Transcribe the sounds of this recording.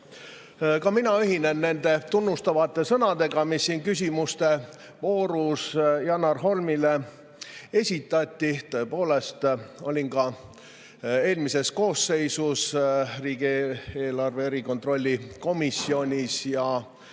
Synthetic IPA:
kɑminɑyɦinenːe̞nd̪̥e̞t̪unːust̪ɑvɑt̪ːˑe̞sɤnɑd̪e̞ɡ̥ɑmisːiːnkys̬ʲimust̪e̞ | vo̞ːɾusjɑnɑrɦo̞lmile̞ | e̞sʲit̪ːˑɑt̪ʲˑːit̪ø̞epo̞ːle̞st̪o̞̰lʲinkɑ | e̞ːlmise̞sko̞ːsːe̞jsusriːɡ̥eːlɑrʋe̞ɾiko̞nt̪ro̞lʲːiko̞misʲːio̞nʲisjɑ

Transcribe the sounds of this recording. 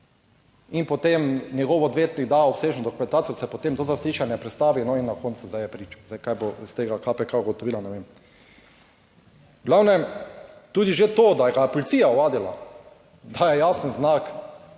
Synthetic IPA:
inpot̪emnjɛɡoʋːd̪ʋʲjeːt̪niɡd̪aopseːʒnod̪okumɛnt̪aːt̪ijod̪asɛpot̪emt̪oːzasliʃanjɛpɾɛt̪st̪aːʋinɔinːakont̪suzajɛpɾiːt͡ʃɔ̥zajkajbost̪eːɡakapɛkaɡot̪ɔʋiːlanɛʋem | ɡlawnɛ | t̪uːd̪iʒet̪oːd̪ajɛɡapolit̪siːjaɔʋaːd̪ila̰ | d̪ajɛjaːsənznak

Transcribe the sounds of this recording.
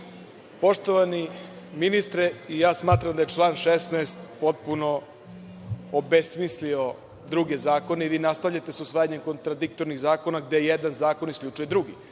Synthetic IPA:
po̞ʂt̪oʋani | minist̪ɾeijaːsmaːt̪ɾamd̪ajet͡ʂlˠaːnʃesnɛːst̪po̞t̪̚puno̞ | obesmislio̞ | d̪ɾuɡe̞zaːko̞neiʋinast̪aʋʎat̪e̞susʋaːjaɲe̞mko̞nt̪ɾad̪ik̚t̪o̞ɾniɣzaːko̞naɡ̚d̪ejjed̪anzaːko̞niskʎʲut͡ʂuje̞d̪ɾuɡḭ

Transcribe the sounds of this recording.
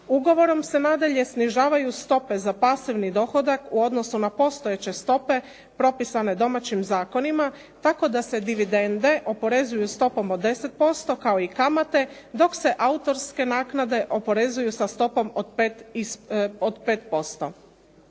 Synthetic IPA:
uɡo̞ʋo̞ɾo̞mse̞naːd̪aʎe̞sniʒaːʋajust̪o̞pe̞zapasiʋnid̪o̞xo̞d̪akuo̞d̪no̞sunapo̞st̪ojet͡ɕe̞st̪o̞pe̞ | pɾo̞pisane̞d̪o̞mat͡ɕimzaːko̞nima | t̪ako̞d̪ase̞d̪iʋid̪e̞nd̪e̞ʔo̞po̞ɾe̞zujust̪o̞po̞mod̪ːe̞se̞t̪̚po̞st̪o̞kao̞ikamat̪e̞d̪o̞kse̞ʔaut̪o̞ɾske̞naːknad̪e̞ʔo̞po̞ɾe̞zujusast̪o̞po̞mod̪pet̪isod̪peːt̪̚po̞st̪o̞

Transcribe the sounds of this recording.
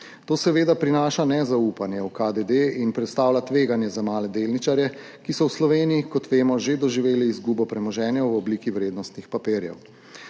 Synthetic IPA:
t̪oːsɛʋeːd̪apɾinaːʃanɛzauːpanjɛwkad̪ed̪einpɾɛt̪st̪aːwlat̪ʋeːɡanjɛzamaːlɛd̪elnit͡ʃaɾjɛ | kisɔwslɔʋeːnijikɔt̪ʋeːmɔʒed̪ɔʒiʋeːliːzɡuːbɔpɾɛmɔʒɛːnjɛwwɔbliːkiwɾeːd̪nɔst̪nixpapeːɾjɛ̰w

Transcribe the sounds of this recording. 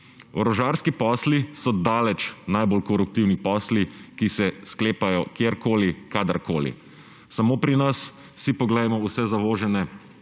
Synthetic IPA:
ɔɾɔʒaːɾskipɔːslisɔd̪aːlɛt͡ʃnajbolkɔɾuk̚t̪iwnixpɔːslikisɛskleːpajɔkjeːɾkoːlikaːd̪aɾkoːlḭ | samoːpɾinas | sipɔɡlɛjmɔusɛzaʋoːʒɛnɛ

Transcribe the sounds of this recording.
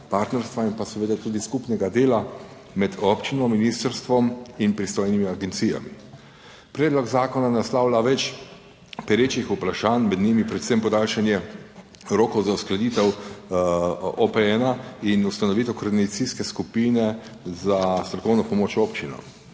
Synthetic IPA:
paɾt̪nɛɾst̪ʋainpasɛʋeːd̪at̪uːd̪iskupnɛɡad̪eːla | mɛd̪ɔpt͡ʃinɔminist̪əɾst̪ʋɔminpɾist̪oːjnimiaɡɛnt̪sija̰mḭ | pɾɛːd̪lɔɡzaːkɔnanaslaːwlaʋɛt͡ʃ | pɛɾeːt͡ʃixupɾaʃaːnmɛd̪nimipɾɛt̪sempɔd̪aːlʃanjɛ | ɾoːkɔwzausklad̪iːt̪ɛw | ɔpɛɛnainust̪anɔʋit̪ɛwkɔɾd̪inat̪siskɛskupiːnɛ | zast̪ɾɔkɔwnɔpɔmoːt͡ʃoːpt͡ʃinɔ̰

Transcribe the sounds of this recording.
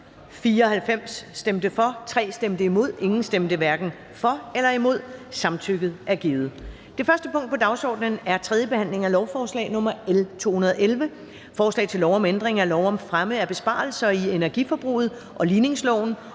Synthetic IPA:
fiːɐɒ̽hælfem̰sːd̥emd̥əfɒ̽t͡sʰʁɛ̰ːsd̥emd̥əimo̝ð̞̰ˠe̝ŋn̩sd̥emd̥əʋæɐɡ̥n̩ | fɒ̽elɐimo̝ð̞̰ˠsɑ̈mt͡sʰyɡ̥ð̩ˠʔæɐɡ̥iːð̩ˠ | d̥e̝fɶɐsd̥əpʰɔ̽ŋ̰d̥̚pʰɒ̽d̥ɑ̈ʊsɒ̰ːd̥nənæɐt͡sʰʁɛðˠjəb̥e̝hæn̰le̝ŋælɒʊfɒːslɛ̰ːɪnɔ̽mɐelt͡sʰo̝̰ːhunɐðˠʔelʋə | fɒːslɛ̰ɪt͡sʰe̝lɒʊɒ̽mend̥ʁeŋælɒʊɒ̽mfʁaməæb̥e̝sb̥ɑ̰̈ːl̩sɐienæɐɡ̥ifɒ̽b̥ʁṵːð̩ˠ | ʔɒ̽liːne̝ŋslɒʊ̰n̩

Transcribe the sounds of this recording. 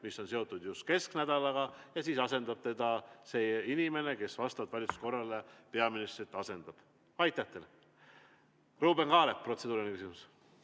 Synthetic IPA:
misːo̞nse̞o̞t̪ːˑud̪̥just̪̚ke̞sknæd̪̥ɑlɑɡɑjɑsiːsɑse̞nd̪ɑb̥t̪e̞d̪̥ɑse̞inime̞ne̞ke̞svɑst̪ɑb̥vɑlʲit̪su̥sko̞rːɑlepe̞ɑminist̪rit̪ːˑɑse̞nd̪̥ɑb̥ | ɑjt̪ːˑæht̪ele | ruːbenkɑːleppːro̞t̪se̞d̪uːɾinekysimus

